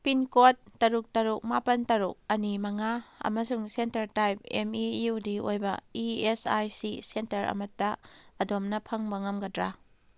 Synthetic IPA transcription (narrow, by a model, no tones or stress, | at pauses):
pinkotːɐɾuk̚tɐɾuk̚mapɐntɐɾuk̚ɐnimɐŋaɐ̰mɐsuŋsentɐɾtajp̚ḛmijudiojbɐ̰iesajsisentɐɾɐ̰mɐtːɐɐdomnɐpʰɐŋbɐŋɐmɡɐdɾa